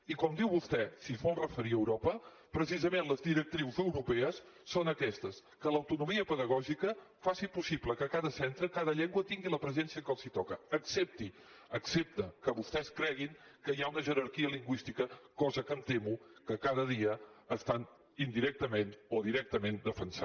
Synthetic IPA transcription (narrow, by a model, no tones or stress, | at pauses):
ikɔmd̪iwβust̪ɛsizβɔlˠrəfəɾiəwɾɔpə | pɾəs̬izəmenləzðiɾək̚t̪ɾiwzəwɾupɛəsː | onəkɛst̪əs | kələwt̪unumiəpəðəɣ̞ɔʒikə | fasipusipləkəkaðəsɛnt̪ɾəkaðəʎɛŋɡwət̪iŋɡiləpɾəzɛnsiəkəlˠzit̪ɔkəːksep̚t̪i | əksep̚t̪əkəβust̪ɛskɾɛɣiŋkəjaunəʒəɾəɾkiəliŋɡwist̪ikəkɔzəkəmt̪emukəkaðəðiəəst̪an | ind̪iɾɛk̚t̪əmenoðiɾɛk̚t̪əmend̪əfənsa